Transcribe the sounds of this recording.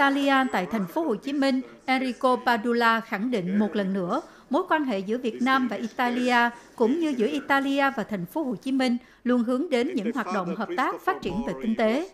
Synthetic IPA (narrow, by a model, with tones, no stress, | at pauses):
t̪aː˧li˧ʔaː˧t̪a̰ː˧˨jt̪ʰa˨˩jŋ̟fo˨˦ho˨˩t͡ɕi˨˦mï˧ŋ̟ʔɛ˧ɾi˧ko˧paː˧ɗu˧laː˧xa˧˩ŋɗḭ˧˨ŋ̟mo˨˩t̚lə˨˩nːɨ̰˧˥ə | mo˨˦jkwaː˧nɦḛ˧˨zɨ̰˧˥əvi˨˩ət̚naː˧mvaː˨˩ʔi˧t̪aː˧li˧ʔaː˧kʊ̰˧˥ŋ͡mɲɨ˧zɨ̰˧˥əʔi˧t̪aː˧li˧ʔaː˧vaː˨˩t̪ʰɛ˨˩jŋ̟fo˨˦ɦo˧˩t͡ɕi˨˦mï˧ŋ̟ | lu˧˩ənɦɨ˨˦əŋɗe˨˦nɲɨ̰˧˥ŋhwaː˨˩t̚ɗo̰˧˨wŋ͡mɦəː˨˩p̚t̪aː˦˥k̚faː˦˥t̚t͡ɕi˧˩ənve˨˩kï˧ŋ̟t̪e˨˦